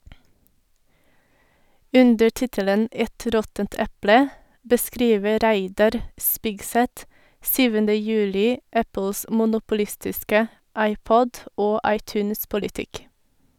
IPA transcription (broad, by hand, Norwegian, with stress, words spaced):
ˈʉndəɾ ˈtɪtələn ˈɛt ˈɾɔtənt ˈɛplə bəˈskɾiːʋə ˈɾæɪdɑɾ ˈspɪɡˌsɛt ˈsyːʋəndə ˈjʉːlɪ ˈæpəls mʊnʊpʊˈlɪstɪskə ˈɑɪˌpɔd ˈoː ˈɑɪˌtʉːnspɔlɪˌtɪk